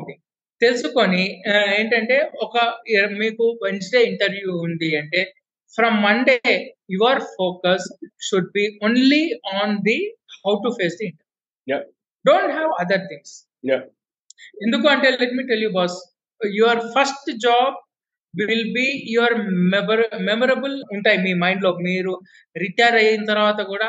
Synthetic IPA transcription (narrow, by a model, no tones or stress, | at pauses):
t̪ĩŋ | t̪elsukonieːɳʈɐɳʈeːɔkɐmiːkuʋent͡ʃɖeːɪɳʈɐɾʋjuːnd̪iɐɳʈeː | fɾɐmːɐ̃nɖeːjuʋɐɾfoːkɐsʃuɖ̚biːõːnliɔːnd̪ihawʈufeːsd̪iɪɳʈɐɾju | ɖõːɳʈɦæʋɐd̪ɐɾt̪ʰĩŋɡs | j | end̪ukuːɐɳʈeːlɛʈmiːʈeljubɔːs | juɐɾfɐɾsʈd͡ʒaːb̚ | ʋɪlbiːjuʋɐɾmebɾmɛmɐɾɐbəluɳʈaːjimiːmãɪ̃ɳɖloːmiːɾu | ɾiʈɐjɾɐjinɐt̪ɐɾʋaːt̪ɐkuːɽaː